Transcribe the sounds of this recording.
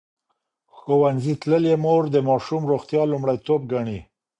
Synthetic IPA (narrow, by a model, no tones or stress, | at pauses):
xowanzit̪ləljemoɾd̪əmɑʃumɾoxt̪jɑlʊmɽajt̪ob̚ɡaɳi